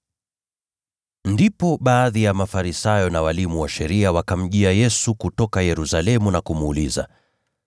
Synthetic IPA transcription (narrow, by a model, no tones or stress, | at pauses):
ndipɔɓaːðijamafaɾisajɔnawalimuwaʃɛɾiawakam̩ʄiajɛsukutɔkajɛɾusalɛmunakumːliza̰